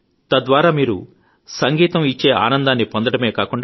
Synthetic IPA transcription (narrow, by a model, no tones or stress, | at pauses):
t̪ɐd̪ʋaːɾaːmiːɾṵ | sɐŋɡiːt̪ɐmit͡ʃːe̞ːʔa̰ːnɐnd̪aːnːipond̪ɐɽɐme̞ːkaːkuɳɖa